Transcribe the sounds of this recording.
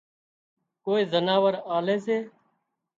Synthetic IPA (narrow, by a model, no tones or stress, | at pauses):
koːiːzənaːʋəɾaːleːs̬eː